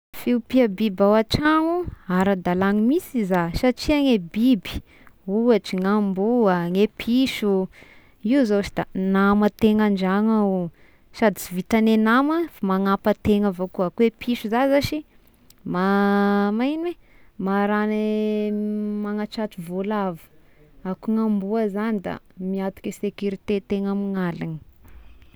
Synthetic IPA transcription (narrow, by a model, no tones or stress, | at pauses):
fiupiabibawaʈ͡ʂaŋuaɾad̪alaŋimisizasaʈ͡ʂiaŋebibi̥ | uaʈ͡ʂiŋambuaŋepʰiʃu | iuzot͡ʃid̪anamət̪eŋand͡ʒaŋau | sad̪it͡sivit̪anenaməfamaŋapət̪eŋavokuakuepʰiʃuzazaʃi | mamajnwe | maɾane | maŋat͡ʃatuvolavu̥ | akuŋambuazanid̪a̰miat̪u̥kʲesekuɾit̪et̪eŋamiŋalani̥